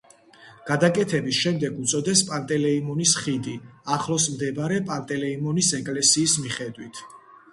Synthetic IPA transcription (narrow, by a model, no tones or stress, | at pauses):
ɡ̥ad̪akʼɛt̪ʰɛbisʃɛmd̪ɛɡut̪sʼɔd̪ɛspʼant̪ʼɛlɛimɔnisχid̪iaχlˠɔsmd̪ɛbaɾɛpʼant̪ʼɛlɛimɔnisɛkʼlɛsiːsmiχɛd̪wit̪ʰ